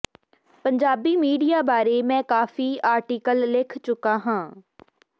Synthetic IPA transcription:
pɐ̃ɲd͡ʒaːbimiːɖijabaːɾemɛ̃ːkaːfiaːɾʈiːkəlːɪkʰt͡ʃʊkaɦãː

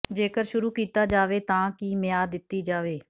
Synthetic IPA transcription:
d͡ʒeːkəɾʃʊɾuːkiːt̪aːd͡ʒaːʋeːt̪ãːkiːmɪjaːd̪ɪt̪ːiːd͡ʒaːʋeː

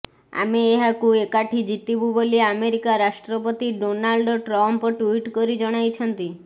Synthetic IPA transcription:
a̰meeɦakuekaʈʰid͡ʒit̪ibuboliameɾikaɾaʃʈɾɔpɔt̪iɖonalɖɔʈɾɔmpɔʈuiʈkɔɾid͡ʒɔɽ̃ajt͡ʃʰɔnt̪i

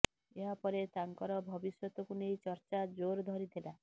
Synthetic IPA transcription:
eɦapɔɾet̪aŋkɔɾɔbʱɔbisjɔt̪ɔkunejt͡ʃɔɾt͡ʃad͡ʒoɾd̪ʱɔɾit̪ʰila

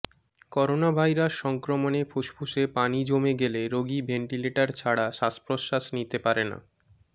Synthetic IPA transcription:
kɔɾonabʱajɾaʃːɔŋkɾomonefʰuʃpʰuʃepanid͡ʑomeɡeleɾoɡibʱeɳʈileʈaɾt͡ɕʰaɽaʃaspɾoʃaʃnit̪epaɾena̰

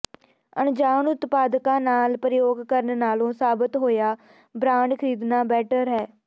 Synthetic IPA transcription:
ənd͡ʒaːnʊt̪paːd̪kãːnaːlpɾɪjoːɡkəɾənnaːlõːsaːbət̪ɦoːjaː | bɾãːɳɖkʰəɾiːd̪naːbɛːʈəɾɦɛː

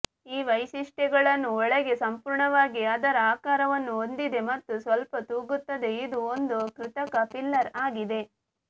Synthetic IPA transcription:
iːʋɐjʃiʂʈɛɡɐɭɐnːuɔɭɐɡe̞sɐmpuːɾɳɐʋaːɡiɐd̪ɐɾeaːkaːɾɐʋɐnːuond̪id̪e̞mɐt̪ːusʋɐlpɐt̪uːɡut̪ːɐd̪e̞id̪uond̪ukɾɪt̪ɐkɐpilːɐɾaːɡid̪e̞

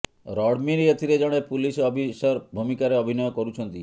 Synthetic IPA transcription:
ɾɔɽmiɾiet̪ʰiɾed͡ʒɔɽ̃epulisɔbʱisɔɾbʱumikaɾeɔbʱinɔjɔkɔɾut͡ʃʰɔnt̪i

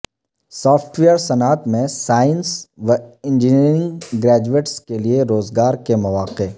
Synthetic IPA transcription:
sɔːfʰʈʋeːəɾsɐnaːt̪mẽsaːɪnsʋɐɪ̃nd͡ʒiniːɾɪ̃ŋɡɡɾɛːd͡ʒueːʈskelieɾoːzɡaːɾkemɐʋaːqe

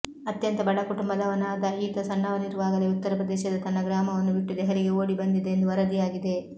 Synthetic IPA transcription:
ɐt̪jɐnt̪ɐbɐɽɐkuʈumbɐlɐʋɐnaːd̪ɐiːt̪ɐsɐɳːɐʋɐniɾuʋaːɡɐleːut̪ːɐɾɐpɾɐd̪ɛːʃɐd̪ɐt̪ɐnːɐɡɾaːmɐʋɐnːubiʈːud̪ɛɦɐɾiɡe̞oːɽibɐnd̪id̪eːnd̪uʋɐɾɐd̪ijaːɡid̪e̞

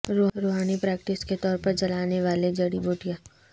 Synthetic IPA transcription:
ɾoːɾoːɦaːnipɾɛːk̚ʈɪsket̪ɔːɾpɐɾt͡ʃɐlaːneʋaːled͡ʒɐɽiboːʈijaː

